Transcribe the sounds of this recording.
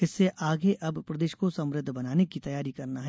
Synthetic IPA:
ɪsːeʔaːɡeʔɐbpɾɐd̪eːʃkosɐ̃mɾɪd̪ʱːbɐnaːnekit̪ɐjaːɾikɐɾnaɦɛ

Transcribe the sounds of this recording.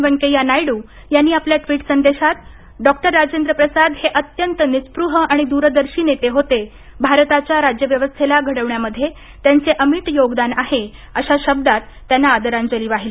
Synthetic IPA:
ʋəŋkejanajɽuː | janːiːapljaʈʋiːʈsənd̪eɕat̪ | ɖɔk̚ʈəɾːad͡ʑend̪ɾəpɾəsad̪heʔət̪jənt̪ənispɾuɦəaɽ̃id̪uɾəd̪əɾɕiːnet̪eɦot̪e | bʱaɾt̪at͡ɕjaɾad͡ʑjəʋjəʋəst̪ʰelaɡʱəɽəʋɳjaməd̪ʱːje | t̪jant͡seʔəmiʈjoɡd̪anaɦe | əɕaɕəb̚d̪at̪ːjanːaːd̪əɾaɲd͡ʑəliːʋaɦili

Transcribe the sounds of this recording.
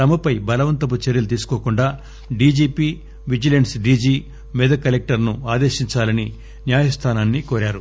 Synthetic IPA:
ɐmɐpɐjbɐlɐʋɐnt̪ɐput͡ʃeɾjɐlut̪iːsu̥koːkuɳɖaː | ɖiːd͡ʒiːpiː | ʋid͡ʒilɐɳsɖiːd͡ʒiː | mɛd̪ɐkɐlek̚ʈɐɾnuaːd̪e̞ːʃiɲt͡ʃaːlɐni | njaːjɐst̪ʰaːnaːnːikoːɾaːɾu

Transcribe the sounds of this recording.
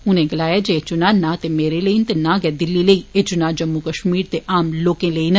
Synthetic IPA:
ʊnẽːɡəlaːjaːd͡ʒet͡ʃʊnaːnãːt̪emeːɾeləint̪enãːɡɛːd̪ɪlːiːləiːeːt͡ʃʊnaːd͡ʒəmːukəʃmiːɾt̪eʔaːmloːkẽːləiːn

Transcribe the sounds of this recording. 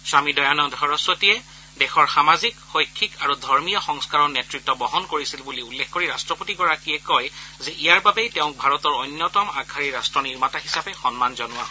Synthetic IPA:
samidɔjanɔdʱɔɹɔsɹɔtiɛ | dɛxɔɹxamazikxojkʰːikaɹudʱɔɹmijɔxɔŋskaɹɔnetɹik̚tːɔbɔɦɔnkoɹisilbuliulːexkːoɹiɹastɹɔpotiɡɔɹakiɛkɔjzɛʔijaɹbabɛjtɛʊ̃k̚bʱaɹɔtɔɹɔjnːɔtɔmaɡʱaɹiɹastɹɔniɹmataɦisapɛxɔnmanzɔnʊa

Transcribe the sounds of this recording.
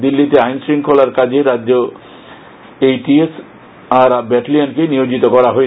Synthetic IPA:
d̪ilːit̪eajnsɾiŋkʰolaɾkad͡ʑeɾadːd͡ʑo | ejʈies | aɾabɛʈliankenijod͡ʑit̪okɔɾaɦoe

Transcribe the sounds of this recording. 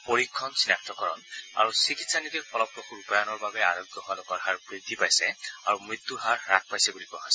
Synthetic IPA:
poɹikʰːɔnsinak̚t̪ʰɔkɔɹɔ̰na̰ɹusikitsanit̪iɹpʰɔlɔpɹɔxʰuɹupajanɔɹbabɛa̰ɹɔɡjɔɦalɔkɔɹɦaɹbɹid̪ʱːipajsɛaɹumɹit̪ːuɦaɹːat̪̚pajsɛbulikua̰ɦasɛ

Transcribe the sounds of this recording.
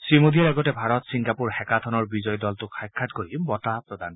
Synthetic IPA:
simod̪ijaɛɡɔtebʱaɾɔt̪siŋɡapuɾhɛkat̪ʰɔnɔɹbid͡ʒɔjɔd̪ɔlt̪ukʰajkʰːatkoɾibɔtapɾɔd̪an

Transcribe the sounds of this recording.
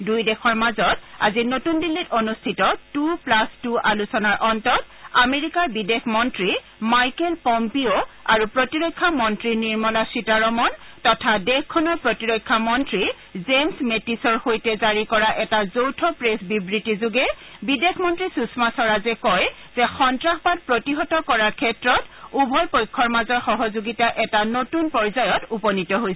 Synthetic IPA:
dujdɛxʰɔɹmazɔta̰zinotundilːitonustʰitɔtuplastualusɔnaɹʔɔntɔt | ameɹikaɹbidexmɔntɹi | majkɛlpɔmpioa̰ɹupɹotiɹɔkʰːamɔntɹiniɹmɔlasitaɹɔmɔn | tɔtʰadɛkkʰːɔnɔɹpɹotiɹɔkʰːamɔntɹi | zemsmetisɔɹxojtɛzaɹikɔɹaʔɛtazowtʰɔpɹesbibɹitizuɡɛbidexʰmɔntɹisusmasɔɹazɛkɔj | z̥ɛxɔntɹaxbat̚pɹotiɦɔtɔkɔɹaɹkʰɛtɹɔtubʱɔlpojkʰːɔɹmazɔɹxɔɦɔzoɡitaʔɛtanotunpɔɹzajɔtupɔnitɔɦojsɛ

